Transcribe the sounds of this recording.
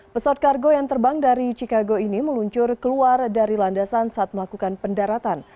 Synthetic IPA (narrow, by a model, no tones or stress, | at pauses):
pəsawat̪̚karɡojaŋt̪ərbaŋdaɾit͡ʃikaɡoiniməluɲt͡ʃʊrkəluardaɾilandasansaʔat̪̚məlakukanpəndaɾat̪an